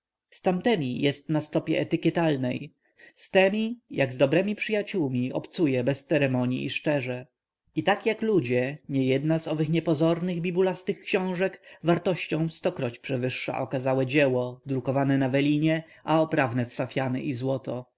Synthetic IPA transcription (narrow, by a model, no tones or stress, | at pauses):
st̪amt̪ɛmʲijɛst̪nast̪ɔpʲjɛ̰ɛt̪ɘkʲɛt̪alnɛj | st̪ɛmʲijaɡzd̪ɔbɾɛmʲipʂɘjat͡ɕuwmʲiɔ̰pt̪sujɛbɛst̪sɛɾɛmɔɲḭːʂt͡ʂɛʐɛ | it̪akjaklud͡ʑɛɲɛjɛd̪nazɔvɘxɲɛpɔzɔɾnɘɣbʲibulast̪ɘxkɕɔ̃w̃ʐɛkvaɾt̪ɔɕt͡ɕɔ̃w̃st̪ɔkɾɔt͡ɕpʂɛvɘʂːa̰ʔɔkazawɛd͡ʑɛwɔd̪ɾukɔvanɛnavɛlʲiɲɛ | ʔaɔpɾavnɛfsafʲjanɛ̰ʔizwɔt̪ɔ